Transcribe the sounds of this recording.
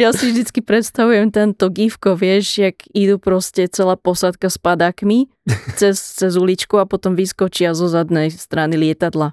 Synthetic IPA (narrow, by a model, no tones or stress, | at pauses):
jasivʒd̪it͡skipɾɛt̪st̪aʋujɛmt̪ɛnt̪ɔɡifkɔʋɪɛʒjaɡid̪upɾɔscɛt͡sɛlaːpɔsat̪kaspad̪aːkmi | t͡sɛst͡sɛzulit͡ʃkuapɔt̪ɔmʋiskɔt͡ʃɪazɔzad̪nɛjst̪ɾanilɪɛt̪ad̪la